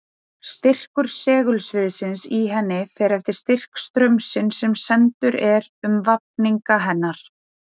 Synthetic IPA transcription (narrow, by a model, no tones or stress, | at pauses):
st̪ɪr̥kʏɾ̥sɛːɣʏlsvɪðsɪnsiɦɛnːɪfɛɾɛft̪ɪɾ̥st̪ɪr̥kst̪ɾœmsɪnsːɛmsɛnt̪ʏɾɛɾʏmvap̚niŋkaɦɛnːaɾ̥